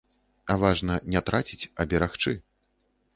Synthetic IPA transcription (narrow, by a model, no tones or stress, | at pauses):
ɐvaʐnɐnʲɛt̪ɾʔat͡sʲit͡sʲɐbʲɛɾaxt͡ʂɨ